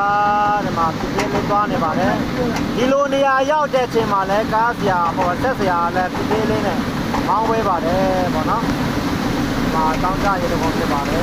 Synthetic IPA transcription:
də˨ma̰˦˨sʰɪ˦˨se˦lẽ˦˨t̪̬wa˦ne˨ba˨ɾɛ˨ | di˨lo˨ne˨ja˨ʔja˦ʊʔtɛ̰˦˨ʔət͡ɕʰẽ˨m̥a˨lɛ˦kã˦zə˨ja˨ʔəbɔ˨ʔəsʰɛ˦tzə˨ja˨ʔə˨lã˦sʰɪ˦˨se˦lẽ˦˨nɛ̰̃˦˨ | mã˦bɛ˦ba˨ɾɛ˨pɔ̰˦˨nɔ˦ | ə˨ma̰˦˨ʔəkã˦ʊ̃ɲt͡ɕa̰˦˨jẽ˦˨də˨bõ˨pʰjɪ˦˨pːa˨ɾɛ˨

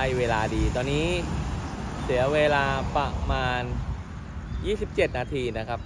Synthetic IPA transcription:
jweː˧laː˧diː˧t̪ɔː˧nːiː˦˥ | si˩˦ɐweː˧laː˧pɾa˧maː˧n | jiː˥˩si˨˩p̚t͡ɕe˨˩t̪̚naː˧t̪ʰiː˧na˦˥kʰɾa˦˥p̚

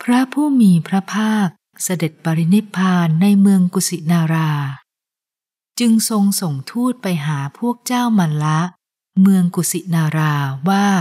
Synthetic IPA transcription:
pʰɾa˦˥pʰuː˥˩miː˧pʰɾa˦˥pʰaː˥˩k̚ | sa˧de˨˩t̪̚paː˧ɾi˦˥ni˦˥pʰːaː˧nːa˧jmɯ˧əŋku˨˩si˨˩naː˧ɾaː˧ | t͡ɕɯ˧ŋso˧ŋso˨˩ŋt̪ʰuː˥˩t̪̚pa˧jɦaː˩˦pʰu˥˩ək̚t͡ɕaː˥˩wma˧nla˦˥ | mɯ˧əŋku˨˩si˨˩naː˧ɾaː˧waː˥˩

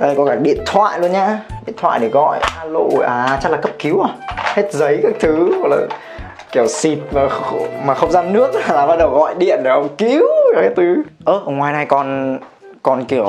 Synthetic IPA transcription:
a˧˩kɔ˨˦kaː˧˩ɗḭ˧˨ənt̪ʰwa̰ː˧˨jlu˧ənɲaː˧ɗḭ˧˨ənt̪ʰwa̰ː˧˨jɗe˧˩ɣɔ̰˧˨jaː˧lo̰˧˨ʔaː˨˩˨t͡ɕa˦˥t̚laː˨˩kə˦˥p̚ki˨˦wʔaː˨˩he˦˥t̚zə˨˦jkaː˦˥k̚t̪ʰɨ˨˦ɔ˨˩k̚la̰ː˨˩ | ki˨˧˩əwsi˨˩t̚maː˨˩xmaː˨˩xə˧wŋ͡mzaː˧nnɨ˦˥ək̚za˨˩laː˨˩ɓaː˧˥ɗə˨˩wɣɔ̰˧˨jɗḭ˧˨ənɗe˧˩ə˧˩ki˧˦wa˧˩a˦˥t̪ɨ˨˦ʔəː˧˩ʔə˧wŋ͡mŋwaː˧˩jna˧jkɔ˨˩n | kɔ˨˩nki˧˩əw

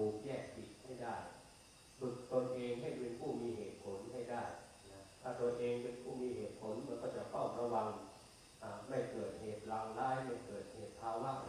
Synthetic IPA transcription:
uː˨˩k̚jɛː˥˩k̚pi˨˩t̪̚ha˥˩jdaː˥˩j | t̪u˨˩t̪̚t̪o˧nʔeː˧ŋɦa˥˩jpe˧npʰuː˥˩miː˧ɦeː˨˩t̪̚pʰo˩˦nɦa˥˩jdaː˥˩j | n˦˥t̪ʰaː˥˩t̪u˧ənʔeː˧ŋpe˧npʰuː˥˩miː˧ɦeː˨˩t̪̚pʰo˩˦nmɯ˧˦˥nkɔː˥˩t͡ɕa˨˩kʰɔː˥˩p̚ɾa˧wa˧ŋ | ʔaː˨˩ma˥˩jkɤː˨˩t̪̚heː˨˩t̪̚laː˧ŋlaː˦˥˩jma˥˩jkɤː˨˩t̪̚heː˨˩t̪̚pʰaː˧waː˥˩k

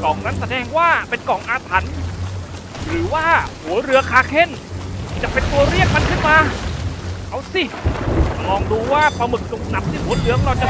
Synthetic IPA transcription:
kɔː˨˩ŋna˦˥nsa˧dɛː˧ŋwaː˥˩pe˧nkɔ˨˩ŋʔaː˧t̪ʰa˩˦n | ɾɯː˩˦waː˥˩hu˩˦ɐɾɯ˧ɐkʰaː˧kʰe˥˩nʰiː˧˩t͡ɕa˨˩ʔpe˧nt̪u˧ɐɾi˥˩ək̚ma˧nkʰɯ˥˩nmaː˧ | kʰa˦˥˩wsi˧˩˨ | mɔː˧ŋduː˧waː˥˩pʰɔ˧mɯ˨˩k̚t͡ɕo˨˧˩k̚na˨˩p̚t̪ʰiː˥˩hʰuː˨˦t̪lɯ˨˦əŋɾɔː˧t͡ɕa˨˩

